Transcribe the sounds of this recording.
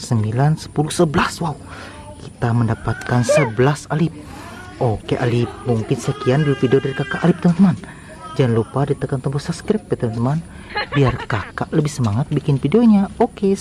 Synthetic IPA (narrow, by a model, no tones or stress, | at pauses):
səmbilansə̥pulusəbəlaswau | ki̥t̪aməndapat̪̚kansəbəlasalɪp̚ | okeʔa̰lɪp̚muŋkɪnsəkianbifideodaɾikakaʔːlɪp̚t̪əmant̪əman | d͡ʒanlupadit̪əkant̪əmbɔsapskɾɪp̚bɛt̪əmant̪əman | biarkakaʔləbɪhsəmaŋat̪̚bikɪnfideoɲaoke